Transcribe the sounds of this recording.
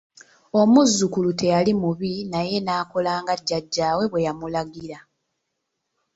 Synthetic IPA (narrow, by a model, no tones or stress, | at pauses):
o̞muzːukulute̞jalimuβinaje̞naːko̞laːŋɡaɟːaɟːaːwe̞βwe̞jamulaɡiɾa